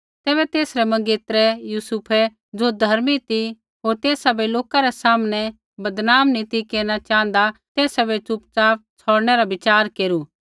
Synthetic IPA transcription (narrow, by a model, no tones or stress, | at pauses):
t̪ɛːbɛt̪eːsɾɛmɐ̃ŋɡeːt̪ɾɛjuːsupʰɛ | d͡zod̪ʱɐɾmit̪i | ɦoːɾt̪eːsabeloːkaɾɛsaːmnɛ̃ | bɐd̪naːmnĩt̪ikeːɾñat͡ʃaːə̃n̆d̪at̪eːsabet͡ʃʊp̚t͡saːp̚t͡sʰɔːɽɽ̃ɛɾabɪt͡ʃaːɾkeːɾuː